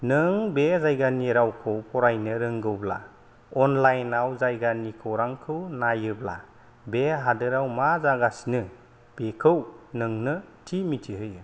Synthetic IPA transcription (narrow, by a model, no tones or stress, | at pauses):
nɯŋbezajɡaniɾawkʰɯwpʰɔɾajnɯɾɯŋɡɯwbla̰ | ɔnlajnawzajɡanikʰɯwɾaŋkʰɯwnajɯbla̰ | beɦadɯɾawmazaɡasnɯ | b̥ekʰɯwnɯŋnɯtʰimitʰiɦɯjɯ